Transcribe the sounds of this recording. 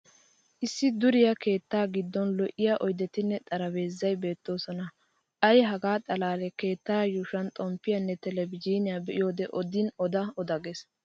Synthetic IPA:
ʔɪsːɪd̪ʊɾɪjɐke̞ːt̪ːaːɡɪd̪ːɔnlɔʔɪjaʔɔjd̪ɛt̪ɪnːɛt̪ʼɐɾɐbe̞ːzːɐjbe̞ːt̪ːo̞ːsɔnɐ | ʔɐjɦɐɡaːt̪ʼɐlaːlɛke̞ːt̪ːaːjuʃɐnt̪ʼɔmpːɪjɐnːɛt̪ɛlɛbɪd͡ʒiːnɪjabɛʔɪ̰jo̞ːd̪ɛʔɔd̪ɪnɔd̪ɐɔd̪ɐɡɛs

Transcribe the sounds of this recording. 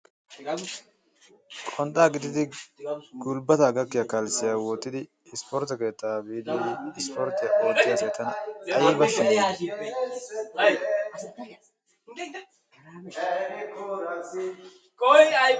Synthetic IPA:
kʼɔnt̪ʼaːɡɪd̪ɪd̪ɪ | ɡ̥ʊlbɐt̪ɐːɡɐkːɪjakɐlsɪjawɔt̪ːɪd̪ɪː | spɔɾt̪ɐke̞ːt̪ːabiːd̪iɪspɔɾt̪ːɛoːt̪ːɪjakeːt̪ːɐnɐjiːbɐsːɐn | kɔj

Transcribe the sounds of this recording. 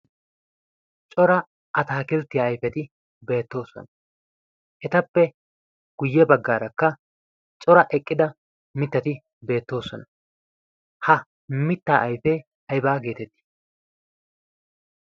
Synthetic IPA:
t͡ʃʼɔɾɐ | ʔɐt̪aːkɪlt̪ːɪjaːjfɛt̪ɪ | be̞ːt̪ːo̞ːsɔ̰nɐ | ʔɛt̪ɐpːɛ | ɡ̥ʊjːɛbɐɡːaːɾɐkːɐ | t͡ʃʼɔɾɐʔɛkʼːɪd̪ɐ | mɪt̪ːɐt̪ɪ | be̞ːt̪ːo̞ːsɔnɐ | hɐ | mɪt̪ːaːʔɐjfɛ | ɐjbaːɡe̞ːt̪ɛt̪ːɪ̥

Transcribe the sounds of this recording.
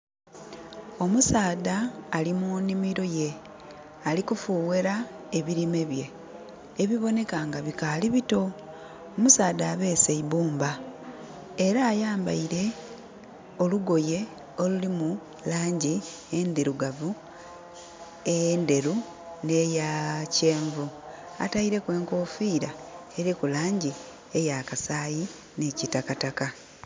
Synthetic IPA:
o̞musaːðaːlimunimiɾo̞je̞ | alikufuːweɾa | e̞βiɾime̞βje̞ː | βiβo̞ne̞kaŋɡaβikaliβito̞ | omusaːðaːβe̞ːse̞iβuːmba | eɾaːjaːmba̰iɾe̞ | o̞luɡo̞je̞ | o̞lulimu | laːɲɟi | endeɾuɡavu | e̞jeːnde̞ɾu | ne̞jace̞ːɱvu | a̰taiɾe̞kwe̞ːŋkoːfiːɾaeɾikulaːɲɟi | e̞jakasaːji | necitakataka

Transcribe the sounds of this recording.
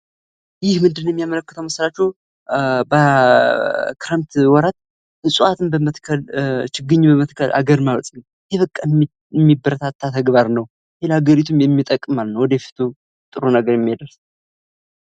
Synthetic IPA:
jɪhmɨnd̪ɨnːojɛmijamələkːət̪ʰəwməslat͡ʃːɛw | bə | kɾamt̪wɔɾat̪̚ | ɨsʼuat̪ʰɨmbəmət̪kʰəlt͡ʃɪɡɨɲːbəmət̪kʰəlʔa̰ɡəɾmawɔt̪ʼnəw | jɛβəkʼːa | mːibəɾət̪ʰat̪ʰːat̪ʰəɡbaɾnəw | helhaɡəɾit̪ʰumjɛmːit̪ʼəkʼːɨmalənːəwɔd̪efi̥t̪ʰu | t̪ʼɨɾonəɡəɾjɛmːijed̪əɾs

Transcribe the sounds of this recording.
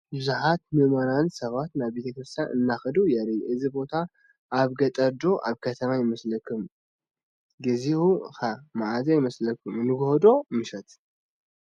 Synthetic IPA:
bɨzuħat̪mɨmanansɐβat̪naβːet̪ʰəkɾɨst̪ʰjaʔɨnːaxəd̪ujɛɾijʔɨzibo̞t̪ʰa | ʔːβɡɐt̪ʼɐɾd̪o̞ʔa̰βkʰət̪ʰəmajɪməsləkʰːɨm | ɡɨzihuxamaʕazajɪməsləkʰːɨmɨnːɨɡohod̪o̞mɨʃɐt̪

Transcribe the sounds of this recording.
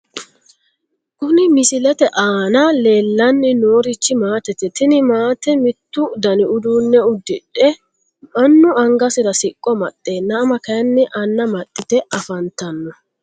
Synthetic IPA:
kʊnɪmɪsɪlɛt̪ɛʔaːnɐle̞ːlːɐnːɪnoːɾɪt͡ʃːɪmaːt̪ɛt̪ɛt̪ɪnɪmaːt̪ɛmɪt̪ːʊd̪ɐnɪʊd̪uːnːɛʊd̪ːɪᶑɛ | mɐnːʊɐŋɡɐsɪɾɐsɪkʼːɔmɐt̪ʼːe̞ːnːɐːmɐkɐjɐnːɛʔɐnːɐmɐt̪ʼːɪt̪ɛʔɐfɐnt̪ːɐnːɔ

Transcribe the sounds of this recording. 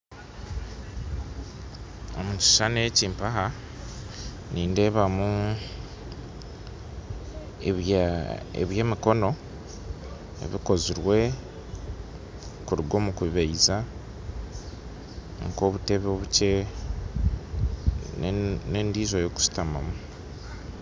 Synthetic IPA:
omui̥ʃaneciːmpaɦa | niːnde̞βamu | ḛβje̞ːmiko̞no̞ | ḛβiko̞ziɾwe̞ | kuɾiɡo̞ːmukuβiβaiza | ŋko̞ːβute̞βoβuce | neːndiːzojo̞ku̥si̥tamamu

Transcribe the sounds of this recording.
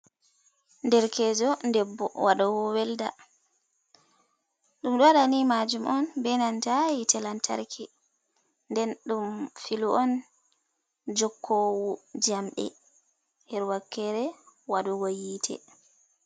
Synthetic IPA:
ndɛɾkʰɛːd͡ʒɔndɛbːɔwaɗɔwɔwɛlda | ɗumɗɔaɗanimad͡ʒumʔɔnbɛnantajitʰɛlantʰa̰ɾkʰɛ | ndɛnɗumfiluɔn | d͡ʒɔkʰːɔwud͡ʒamɓɛ̰ | hɛɾwakːɛɾɛwaɗɔwojiːtʰɛ̰

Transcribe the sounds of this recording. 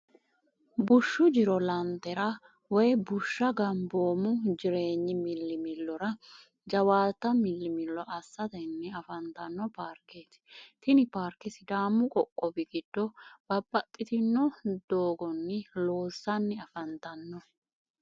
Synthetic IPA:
bʊʃːʊd͡ʒɪɾɔlɐnt̪ːɛɾɐ | wɔjbʊʃːɐɡɐmboːmʊd͡ʒɪɾe̞ːɲːɪmɪlːɪmɪlːɔɾɐ | d͡ʒɐwaːt̪ːɐmɪlːɪmɪlːɔʔɐsːɐt̪ɐnːɛɐfɐnt̪ɐnːɔpaːɾkːeːt̪ | t̪ɪnɪpaːɾkːɪsɪd̪aːmːʊkʼɔkʼːɔbɪɡɪd̪̥ːɔb̥ɐbːɐt̪ʼːɪt̪ɪnːɔd̪̥oːɡɔnːɛlo̞ːsːɐnːɛɐfɐnt̪ɐnːɔ

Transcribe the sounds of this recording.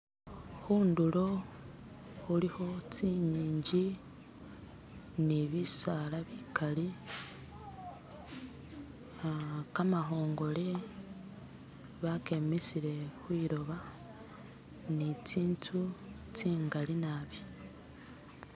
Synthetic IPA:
xuːndulo̞ | xuliho̞t͡siɲiːɲɟi | niβisalaβikʰali | kamaɦo̞ːŋɡo̞le | βake̞mesiɾe̞xwiːɾo̞βa | nit͡siːntʰu | t͡siːŋɡalinaβi

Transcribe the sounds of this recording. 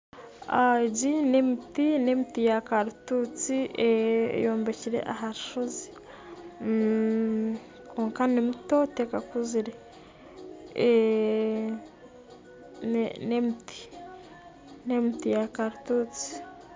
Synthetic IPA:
aɟinemitinemitijakaɾutut͡siḛjoːmbeciɾḛʔaɦaɾiʃozi̥ | koːŋkanimutotekakuziɾe | nnemuti̥ | nemitijakaɾutuːt͡si̥

